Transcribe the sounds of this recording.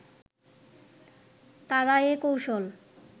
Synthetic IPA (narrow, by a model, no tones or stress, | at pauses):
t̪aɾaekowʃol